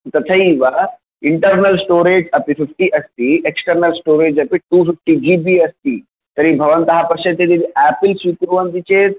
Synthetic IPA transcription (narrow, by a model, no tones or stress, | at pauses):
t̪ɐt̪ʰɐiʋa | iɳʈəɾnɐlsʈoːɾeːd͡ʒɐpififʰʈiʔɐst̪ieksʈəɾnɐlsʈoːɾeːd͡ʒɐpiʈufifʰʈid͡ʒiːbiɐst̪iː | t̪ɐɾibʱɐʋɐnt̪ɐɦapɐɾʃɐt̪ːed̪id̪iæːpilsʋikɾuʋɐnd̪it͡ʃeːt̪